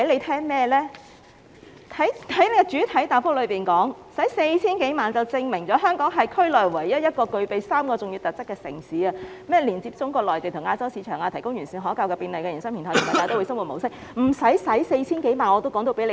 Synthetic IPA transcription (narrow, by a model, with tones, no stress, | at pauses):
le˨˧jt̪ʰɛː˥ŋmɛː˥lɛː˥ | t̪ʰɐ˨˥jt̪ʰɐ˨˥jne˨˧jkɛ˧t͡ʃyː˨˥t̪ʰɐ˨˥jt̪aː˨˩fʊ˥k̚lɵ˨˧ɥpiː˨nkɔː˨˥ŋsɐ˨˥jse˧jt͡sʰiː˥nke˨˥jmaː˨nt͡sɐ˨wt͡sɪ˧ŋmɪ˨˩ŋt͡sɔː˨˥ɦœː˥ŋkɔː˨˥ŋɦɐ˨jkʰɵ˥ɥlɔː˨˩jwɐ˨˩jːɐ˥t̚jɐ˥t̚kɔː˧kɵ˧ɥpe˨jsaː˥mkɔː˧t͡sʊ˨ŋjy˧wt̪ɐ˨t̚t͡sɐ˥kːɛː˧sɪ̰˨˩ŋsiː˨˥ɐː˧ | mɛː˥liː˨˩nt͡siː˧p̚t͡sʊ˥ŋkɔː˧k̚lɔː˨jt̪e˨˩t̪ʰʊ˨˩ŋaː˧t͡sɐ˥wsiː˨˧t͡ʃʰœː˨˩ŋaː˧t̪ʰɐ˨˩jkʊ˥ŋjyː˨˩nsiː˨˩nɦɔː˨˥kaː˧wkɛː˧piː˧nle˨jkɛ˧˨ɐ˨˩nsɐ˥ŋpʰi˨˩nʰɔː˨j̪ʰm˨˩taː˨jt̪o˥wsɐ˥ŋwu˨t̚mo˨˩wsɪ˥k̚ | m̩˨˩sɐ˨˥jsɐ˨˥jse˧jt͡sʰiː˥nke˨˥jmaː˨nɔː˨˧t̪o˥wkɔː˨˥ŋt̪o˧wpe˨˥le˨˧